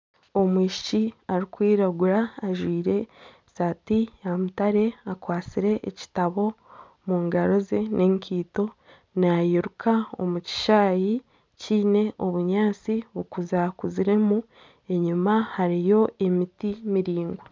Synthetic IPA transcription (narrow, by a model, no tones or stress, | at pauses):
omwiːʃi̥t͡ʃiaɾikwiːɾaɡuɾaːʒwiːɾe̞ | saːtijamutaɾe̞akwaːt͡siɾe̞ʔːci̥taβo̞ | muːŋɡaɾo̞ze̞ne̞ːŋkiːto̞ | najiɾukʰao̞̰muci̥ʃaːji | ciːne̞ʔo̞βuɲaːt͡siβukuzakuziɾe̞mu | e̞ɲumahaɾijo̞e̞mitimiɾiːŋɡwe